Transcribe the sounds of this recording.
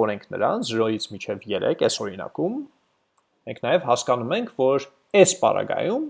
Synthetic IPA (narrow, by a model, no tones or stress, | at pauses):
ɔɾɛŋkʰnə̰ɾɑ̰nzəɾɔjit͡sʰmit͡ʃʰɛvjɛɾɛ̰kɛsɔɾinɑ̰kum | mɛŋkʰnɑjɛvhɑskɑnumɛŋkʰvɔɾ | ɛspɑ̰ɾɑ̰ɡɑ̰jum